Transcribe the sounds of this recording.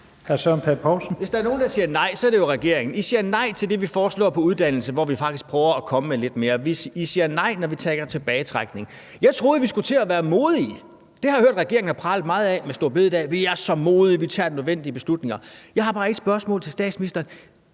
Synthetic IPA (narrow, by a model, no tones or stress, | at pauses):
hæsœnpʰepʰɑʊlsn̩ʋe̝sd̥ɑɐno̝ːnd̥ɑ̈siːɐnɑ̈ɪ̰sɒ̽æɐɾ̥ejo̝ʁɛɡ̥e̝ɐ̰e̝ŋn̩isiːɐnɑ̈ɪ̰t͡sʰe̝ld̥e̝ʋifɒːslɔ̰ːpʰɒ̽uð̞ˠd̥æn̰l̩səʋɒʋifɑ̈ɡ̥d̥isɡ̥̚pʰʁœːʊɐækʰɒ̽məmele̝d̥me̝ːɐʋisisiːɐnɑ̈ɪ̰nɒʋit͡sʰɛɡ̥ɐt͡sʰe̝b̥ɛːɪt͡sʰʁaɡ̥ne̝ŋ | jɑ̈ɪt͡sʰʁo̝ːð̞̩ˠʋisɡ̥ut͡sʰe̝æʋæːɐmo̝ːð̞ˠi | d̥e̝hɑ̈jhøɐ̰d̥ʁaɡ̥e̝ɐeŋn̩hɑ̈pʰʁɑ̈ːl̩ˠmɑ̈ːð̞̩ˠɛmesd̥o̝ɐ̰be̝ðˠd̥ɛ̰ʋiæɐsɒ̽mo̝ːð̞ˠiʋit͡sʰɑ̰̈ːd̥nøðˠen̰d̥iəb̥e̝slud̥ne̝ŋɐjɑ̈ɪhɑ̈b̥ɑ̈ːe̝ɡ̥sb̥ɶɐsmɔ̰̽ːl̩ˠt͡sʰe̝sd̥ɛ̰ːd̥sminisd̥ɐːn